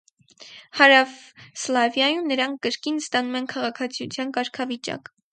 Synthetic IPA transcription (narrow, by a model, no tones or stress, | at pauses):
hɑɾɑvslɑvjɑjumnəɾɑŋkʰkːəɾkinst̪ɑnumɛnkʰɑʁɑkʰɑt͡sʰijut͡sʰjɑnkɑɾkʰɑvit͡ʃɑ̰k